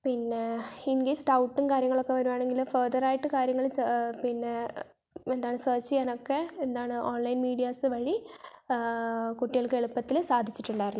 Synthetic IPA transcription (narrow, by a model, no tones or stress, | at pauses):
pinːeinɡesʈɐwʈːunkaːɾjɐŋːɐɭokːe̞ʋɐɾuʋaːɳe̞ŋɡilfɐrd̪ɐraːjiʈːɨkaːɾjɐŋːɐɭipinːe̞ | end̪aːɳɨsɐːt͡ɕːɨenokːe̞end̪aːɳɨʔoːnlɐjinmiːɽijaːsɨʋɐɻi | kuʈːijɐɭkeɭupːɐt̪ːilsaːd̪ʱit͡ɕːi̥ʈːuɳɖaːjiɾinːu